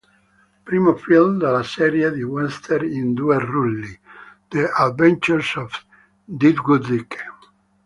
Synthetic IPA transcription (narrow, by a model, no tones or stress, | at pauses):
pɾimofilmd̪alasɛɾiad̪iwɛ̃nst̪ʰɛɾĩnd̪ueɾːulːid̪̥ead̪vɛ̃nt͡ʃuɾsɔf | d̪id̪ɡud̪ik